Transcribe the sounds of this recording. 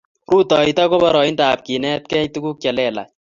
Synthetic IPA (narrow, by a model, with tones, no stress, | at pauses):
ɾu˦t̪ɔ˨it̪ɔ˦ko˦bɔ˨ɾɔ˨i˦ntaː˨p̚ki˨nɛ˦t̪̚kɛ˦jt̪uku˦k̚ja˨lɛ˨la̰˨